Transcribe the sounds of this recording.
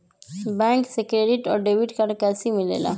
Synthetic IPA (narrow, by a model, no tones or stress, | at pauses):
bɛ̃ŋksekɾeɖiʈɔɾɖeʋiʈkaɾɽkɛsimilḛla̰